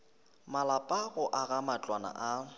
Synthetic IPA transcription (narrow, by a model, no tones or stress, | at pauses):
malapʼaɣʊʔaɣamat͡ɬʼwana̰ʔa